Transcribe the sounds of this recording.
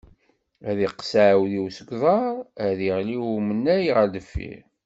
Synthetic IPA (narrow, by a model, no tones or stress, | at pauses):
æðiqsaʕwðiwsəɡʷðˤɑɾˤæðiʁliwumənːæjʁæd̪əfːḭɾ